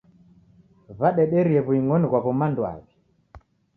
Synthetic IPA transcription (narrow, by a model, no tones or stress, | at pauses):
βaɗɛɗɛɾiɛβuiŋɔniɣwaβɔmandwa̰βi